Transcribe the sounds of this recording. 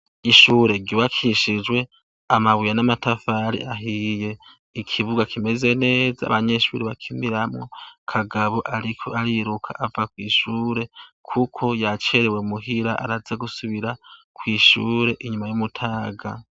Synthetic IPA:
iʃuːɾe̞ɡiβakʰiʃid͡ʒwe̞ | amaβujanamatafaɾḭʔaɦije̞ | ikʰiβuɡakʰime̞ze̞ne̞ːza̰βaɲe̞ʃṵːɾeβakʰimiɾamŋo̞kʰaɡaβo̞ʔaɾikʰoʔaɾiɾukʰa̰ʔavakwiːʃuːɾe̞kʰukʰo̞jat͡ʃe̞ɾewe̞muɦiɾaʔa̰ɾazeɡusuβiɾakwiːʃuɾe̞ʔiɲumajumutʰaːɡa

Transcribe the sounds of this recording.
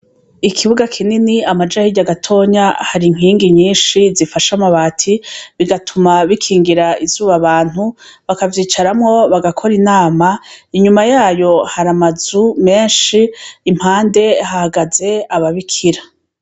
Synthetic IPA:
ikʰiβuɡakʰininiamad͡ʒahiɟaɡatʰo̞ːɲahaɾiŋ̥ɦiːŋɡiɲiːnʃizifaʃamaβaːtʰiβiɡatʰumaβikʰiːŋɡiɾaizuːβaβaːn̥hu | βakavjiːt͡ʃaɾamŋo̞βaɡakʰo̞ɾinaːmaiɲumajaːjo̞haɾamazume̞ːnʃiːm̥haːnde̞hahaɡaze̞aβaβikʰiɾa

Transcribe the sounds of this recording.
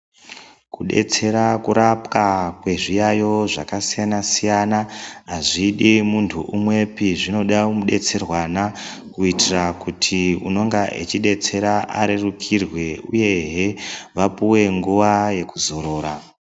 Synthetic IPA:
kuɗe̞̰t͡se̞ɾakuɾapkakwe̞ʐijajo̞ʐakasijanasijanaɦaʐiɗimuntʰuʔumwe̞piʐino̞ɗamuɗe̞̰t͡se̞rwana | kuitirakutʰiṵno̞ŋɡaʔḛt͡ʃiɗe̞t͡se̞ɾaʔa̰ɾerukʰirwe̞uje̞ɦeʋapuwe̞ŋɡuʋaje̞kuzo̞ɾo̞ːɾa

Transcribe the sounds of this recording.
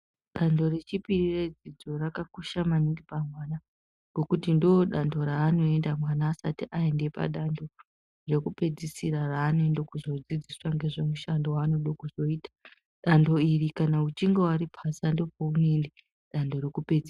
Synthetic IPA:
ɗando̞re̞t͡ʃipirire̞d͡zid͡zo̞rakakuʃamaniŋɡipamwana | ŋɡo̞kutindooɗando̞ɾaːno̞e̞ndamwanaːsatiʔae̞nde̞pa̰ɗando̞ | re̞kupe̞d͡zisiɾaraːnoendekuzo̞d͡zid͡ziswaŋɡe̞ʐemuʃandowaːno̞ɗokuzo̞iːtḁ | ɗando̞irikanaut͡ʃiŋɡewaɾipʰasando̞pounende | ɗando̞ɾekuped͡zi

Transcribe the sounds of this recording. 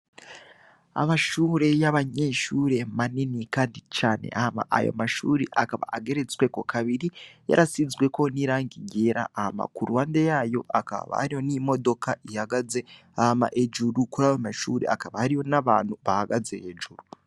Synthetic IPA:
a̰maʃuːɾe̞jaβaɲe̞ːʃuːɾe̞maninikaːndit͡ʃaːnḛʔahama̰ʔa̰jo̰maʃuːɾeʔakaβa̰aɡe̞ɾe̞t͡swe̞ko̞kʰaβiɾija̰ɾasizwe̞ko̞niɾaːŋɡiɟeːɾa̰ːhama̰kuɾwaːndejaːjo̞̰a̰ka̰βa̰haɾijo̞nimo̞do̞kaihaɡaze̞ | ahama̰ʔed͡ʒuɾukuɾajomaʃuːɾe̞̰akaβahaɾiho̞naβa̰ːnhuβahaɡaze̞ed͡ʒuɾu

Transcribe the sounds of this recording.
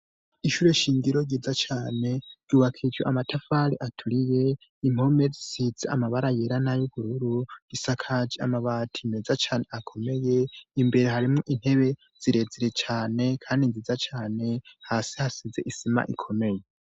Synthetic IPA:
iʃuːɾe̞ʃiːŋɡiɾo̞ɡiːzat͡ʃaːne̞ɟ̥uːβakʰid͡ʒoʔamatʰafaɾiʔatʰuɾije̞ | im̥o̞med͡zisizea̰maβaɾajeɾanajuβuɾuɾuɡ̥isakʰad͡ʒia̰maβatʰimezat͡ʃaːne̞akʰo̞me̞je̞imbe̞ɾe̞ɦaɾimŋoʔin̥he̞βe̞ | z̥iɾe̞ziɾe̞t͡ʃaːne̞kʰaːndinzizat͡ʃaːne̞haːsihasize̞̰ʔisima̰ʔḭkʰo̞me̞je

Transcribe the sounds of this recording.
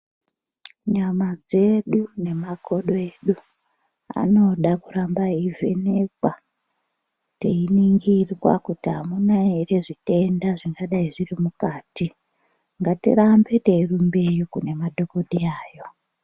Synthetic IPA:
ɲamad͡ze̞ɗune̞makʰo̞ɗo̞eɗu | a̰no̞ɗakurambaivʱe̞̰ne̞kwa | te̞iniŋɡirwa̰kutiɦamunaɦere̞ʐite̞ndaʐiŋɡaɗaiʐirimukaːti | ŋɡatḭrambe̞te̞irumbe̞jukune̞madʱokoɗiaːjo̞

